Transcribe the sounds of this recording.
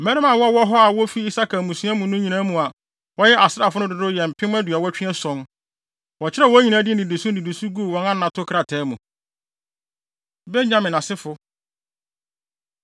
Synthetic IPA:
mɛ̃˦ɾɪ̃˦mã˨wɔ˦wɔ˦ɦɔ˦a˨wɔ˦fi˦i˦sa˦kʰa˨mũ˨su˦a˦mũ˨nʊ̃˦ɲĩ˨nã˦mũ˨a˨ | wɔ˦jɛ˦ʔa˨sɪ˦ɾa˨fʊ˦nʊ̃˦dʊ˨dʊ˦jɛ˨m̩˨pʰɪ̃˦m˦æ˦dɥa˨wɔ˦t͡ɕᶣɪ˦ɛ˦sɔ̃˦n | wɔ˨t͡ɕʰɪ˦ɾɛ˦˨wɔ˦ɲĩ˨nã˨˦dɪ˦n˨ĩ˨de˨su˦nĩ˨du˨su˦ɡu˦˨wɔ̃˨˦nã˦nã˨tʰʊ˦kʰɾa˨tʰɛː˨˦mũ˨ | be˦ɲã˨mɪ̃˨nã˨sɪ˦fʊ˦

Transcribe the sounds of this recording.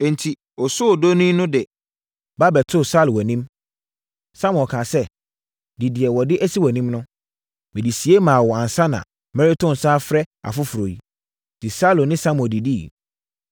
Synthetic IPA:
ɛ̃˨n̩˨tʰi˨ | ɔ˨sʊ˦ɔ˨do˦nĩ˦nʊ̃˦dɛ˨ | ba˦bɛ˨tʰʊ˦˨sa˦lwɔ˨nĩ˦m | sa˦m̃˨kʰãː˨sɛ˦ | di˨di˨ɛ˨wɔ˨dɪ˦ʔæ˦si˦wɔ˨nĩ˦mnʊ̃˦ | mɪ̃˨di˨si˨e˦mã˨wɔ˨ã˨n˨sa˦nã̰˨ | mɛ˦˨ɾɪ˦tʰʊ̃˦˨n˨saː˦fɾɛ˦a̰˨fʊ˦fʊ˨ɾo˨ji˨ | di˨sa˦lʊ˨nɪ̃˦sa˦m˨ɔ̃˨di˨di˦

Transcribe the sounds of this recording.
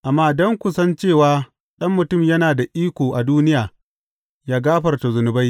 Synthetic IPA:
ʔa˨mːaː˦dɔ˦ŋkʷʊ˨sɐ˦nt͡ʃeː˦˨waː˦ | ɗɐ˦mːʊ˨tʊ˦˨mjɐ˦naː˨da˨ʔiː˦kʷoː˨ʔa˨duː˦nɪ˦jaː˨ | jaː˦ɡaː˦ɸɐ˨rta˨zʊ˨nʊ˨ba˦j

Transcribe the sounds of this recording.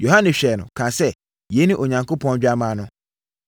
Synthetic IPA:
jo˨ɦa˦nɛ̃˨ɕᶣɛ˨nʊ̰̃˨kʰã˨sɛ˦˨ | jɛ˨˦nĩ˦ʔo˨ɲã˨ŋkʰo˦pʰɔ̃˦n˦d͡ʑᶣa˦mãː˨˦nʊ̃˦

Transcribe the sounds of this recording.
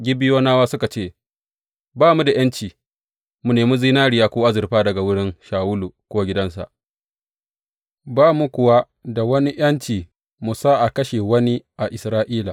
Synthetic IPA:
ɡʲɪ˦bɪ˦joː˦naː˦waː˦sʊ˦ka˨t͡ʃeː˦˨ | baː˦mu˦da˨j̰ɐ˦nt͡ʃiː˨ | mu˨neː˨mu˦zi˦naː˦ɽɪ˨jaː˦kʷoː˦ʔa˦zɪ˨rɸaː˦dɐ˨ɡa˨wʊ˦ɽɪ˦ŋʃaː˨wʊ˦lu˨kʷoː˦ɡʲɪ˦dɐ˦nsa̰˨ʔ | baː˦mu˦kʷʊ˨wa˦ | da˨wɐ˦ni˦j̰ɐ˦nt͡ʃiː˨ | mu˨saː˦ʔa˨kɐ˦ʃe˨wɐ˦ni˦ʔa˨ʔɪ˨sɾaː˦ʔiː˦la̰˨

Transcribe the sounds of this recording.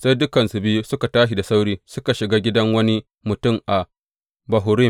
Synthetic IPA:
sa˦jdʊ˦kɐ˨nsʊ˨bɪ˦ju˦sʊ˦ka˨taː˦ʃ̬i˨da˨sa˦wɽiː˦sʊ˦ka˨ʃɪ˨ɡaː˦ɡʲɪ˦dɐ˦ŋwɐ˦ni˦ | mʊ˨tʊ˦˨mʔa˨ | bɐ˨ɦʊː˨ɾɪ˦˨

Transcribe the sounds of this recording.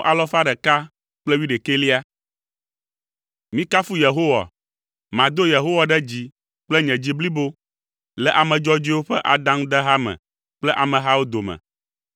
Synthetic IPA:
ʔa˨lɔ˦fa˦ɖɛ˨ka˦ | k͡plɛ˦wi˦ɖe˨ke˦li˦a˦ | mĩ˦ka˦fu˦je˨ɦo˦wa̰˨ | mã˨d̪o˦je˨ɦo˦wa˨ɖɛ˦d͡ʑi˨ | k͡plɛ˦ɲɛ̃˨d͡ʑi˦bli˦bo˦ | lɛ˦˨ʔa˨mɛ̃˨d͡ʒɔ˦d͡ʑi˦wo˦ɸɛ˦ʔa˨d̪ã˦ŋ˦d̪ɛ˦ɦa˦mɛ̰̃˨ | k͡plɛ˦ʔa˨mɛ̃˨ɦa˦wo˦d̪o˨mɛ̰̃˨

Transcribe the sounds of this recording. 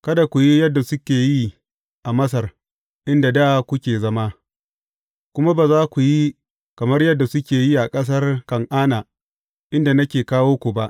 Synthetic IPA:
kɐ˦da˨kʷu˨ji˦jɐ˦dːa˨sʊ˦kʲeː˨ji˦ | ʔa˨mɐ˦s̬ɐ˨r | ʔɪ˦nda˨da˦˨kʷʊ˦kʲeː˨zɐ˦ma˦ | kʷʊ˦ma˦baː˨zaː˦kʷu˨ji˦ | kɐ˨mɐ˦rjɐ˦dːa˨sʊ˦kʲeː˨ji˦ʔa˨kʼɐ˦s̬ɐ˦rkɐ˨ŋʔaː˦naː˨ | ʔɪ˦nda˨nɐ˦kʲeː˨kaː˦woː˦kʷu˨ba˦ʔ

